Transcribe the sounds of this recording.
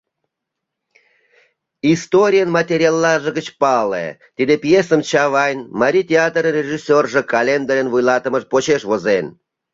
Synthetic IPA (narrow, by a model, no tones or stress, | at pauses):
ist̪oɾʲijənmat̪ʲeɾʲijalˠːɑʒəɣət͡ɕpɑlḛ | t̪id̪epjesəmt͡ɕɑβɑjnmaɾʲit̪ʲeɑt̪ɾənʲeʒisʲːorʒĕkɑlʲend̪oɾʲənvujlɑt̪ə̆mə̆ʃpot͡ɕeʃβozen